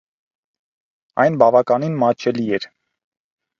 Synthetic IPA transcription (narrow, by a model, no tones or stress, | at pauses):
ɑ̰jnbɑvɑkɑninmɑt͡ʃʰɛliɛɾ